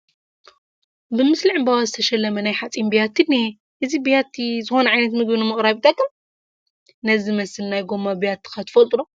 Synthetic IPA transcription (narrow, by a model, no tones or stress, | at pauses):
bɨmɨsliʕɨmbawazɨt̪ʰɐʃɐlːɐmɐnajħat͡sʼimbijat̪ʰːine | ʔɨzibijat̪ʰːizɨxo̞nɐʕajnɐt̪mɨɡbɨnumɨχʼɾaβit̪ʰat̪k̪ːɨm | nɐzimɐsɨlnajɡo̞mːabijat̪ːɨ̥kʰɐt̪ʰɨfɐlt̪ʼlo